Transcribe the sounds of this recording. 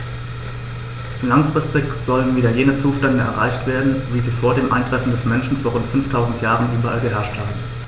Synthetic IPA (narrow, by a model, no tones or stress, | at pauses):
laŋfʁ̥ɪstɪkz̥ɔlənviːdɐjeːnət͡suːʃtɛndəɛ̰ɐʁa̰ɪçtv̥eːɐdn̩viːziːfoːɐdeːmʔa̰ɪndʁɛfn̩dɛsmɛnʃn̩foːɐʁʊntfʏnftʰaʊzn̩tjaːʁ̞ənʔyːbɐʔa̰lɡəɦɛɐʃthaːbm̩